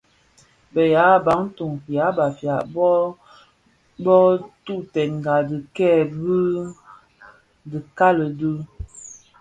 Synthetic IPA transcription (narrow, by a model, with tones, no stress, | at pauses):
bə˨ja˨˦˨ba˨˦ŋ̩˦tu˨ŋfja˨˦ba˨fja˨ʔ | bɔ˦tu˦˨tɛ˨nŋ˨ɡa˨də˨kɛ˦˨bə˦ | də˨ka˦lə˨də˦